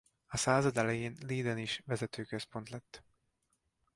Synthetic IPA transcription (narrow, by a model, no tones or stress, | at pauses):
ɒsaːzɒd̪ɛlɛjeːnliːd̪ɛniʃvɛzɛt̪øːkøspo̞nt̪lɛt̪ː